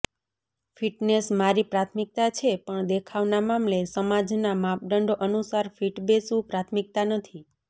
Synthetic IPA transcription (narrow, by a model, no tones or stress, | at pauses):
fʰiʈnesmaɾipɾat̪ʰmik̚t̪at͡ʃʰepəɳd̪ekʰaʋnamamlesəmad͡ʒnamap̚ɖəɳɖoʔənusaɾfiʈbesũpɾat̪ʰmik̚t̪anət̪ʰi